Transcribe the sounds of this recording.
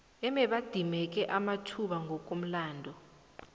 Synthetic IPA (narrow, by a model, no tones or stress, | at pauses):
ɛmɛɓad̥ʱimɛk̬ʼɛʔamatʰuɓaŋʱɔk̬ʼom̩laːndʱɔ